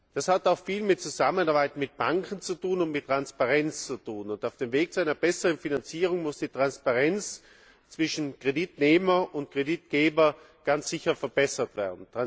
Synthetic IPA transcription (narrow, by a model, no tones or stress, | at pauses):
d̥ashataʊxfiːlmɪt̚t͡suzamənaɐbaɪtmɪt̚b̥aŋkʰn̩t͡sutuːnʊntmɪtːʁ̥anspaʁɛnt͡st͡sutʰuːnʊntaʊfd̥eːmveːɡ̚t͡suaɪnɐbɛsəʁənfinant͡siːʁʊŋmʊsd̥iːtʁ̥anspaʁɛnt͡s | t͡sv̥ɪʃn̩kʁ̥editneːmɐʔʊntkʁ̥edit̚ɡ̥eːbɐ | ɡ̥ant͡sz̥ɪçɐfɛɐb̥ɛsɐtv̥ɛ̰ːɐdn̩tʁa